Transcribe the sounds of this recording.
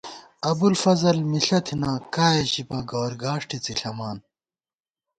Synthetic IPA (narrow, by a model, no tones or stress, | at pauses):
ɐbulfɐzɐlmiɬɐt̪ʰinaːkaːjeɕipãɡoːɾɡaːʂʈʰit͡siɬɐmaːn